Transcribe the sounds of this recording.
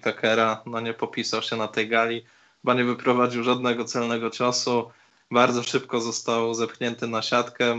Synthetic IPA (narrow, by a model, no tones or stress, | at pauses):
kakɛɾanɔɲɛpɔpʲisawɕɛnat̪ɛjɡalʲi | baɲɛvɘpɾɔvad͡ʑiwʐad̪nɛɡɔt̪sɛlnɛɡɔt͡ʂasu | baɾd̪zɔʂɘpkɔzɔst̪awzɛmkɲɛnt̪ɘnaɕat̪kɛ